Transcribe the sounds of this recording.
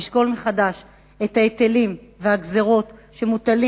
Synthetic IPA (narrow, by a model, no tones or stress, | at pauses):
ʃɡo̞lmeχadaʃ | e̞t̪aet̪elimveaɡzeʁo̞tʃe̞mut̪ali